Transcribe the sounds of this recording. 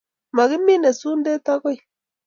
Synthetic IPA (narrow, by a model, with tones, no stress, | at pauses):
ma˨ɣɪ˦mːi˦ne˨su˦nde˦ta˦ɡɔ˦j